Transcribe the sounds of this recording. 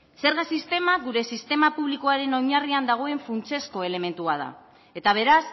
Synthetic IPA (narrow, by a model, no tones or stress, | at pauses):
se̞ɾɣasist̪e̞maɣuɾe̞sist̪e̞mapuβlikoaɾe̞no̞ɲariand̪aɣ̞o̞e̞ɱfunt͡se̞sko̞e̞le̞me̞nt̪uað̞a̰ | e̞t̪aβ̞e̞ɾas